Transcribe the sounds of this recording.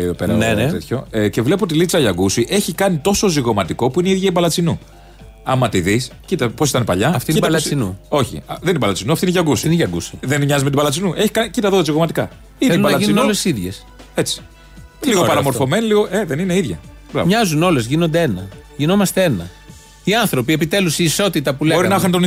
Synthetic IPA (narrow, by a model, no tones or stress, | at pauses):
opeɾɐet̪ḛt̪ço̞ece̞vle̞p̬oot̪ilit͡sɐʎɐɡusiʔe̞çikɐnit̪o̞so̞ziɣo̞mɐt̪iko̞puineiðʝɐibɐlɐt͡sinu | ɐmɐt̪iðiscit̪ɐpos̬it̪ɐnepɐʎɐɐft̪iiɐlt͡sinuo̞çḭðenineibɐlɐt͡sinuɐft̪ineʝɐɡusinʝɐɡusiðenɲɐzimeibɐlɐt͡sinuʔe̞çi̥kɐnicit̪ɐðoðɐziɣo̞mɐt̪i̥kɐ | ielubɐnɐʝinunolesiðʝe̞s | et͡si̥ | liɣopɐɾɐmoɾfo̞meniliɣoeðenineiðʝɐ̰ | bɾɐ̰vmɲɐzuno̞le̞zʝinond̪ee̞nɐ̰ʝinomɐst̪ee̞nɐ̰ | iɐnθɾo̞pie̞pit̪e̞lusiːso̞t̪it̪ɐpuleoɾinɐxɐnt̪on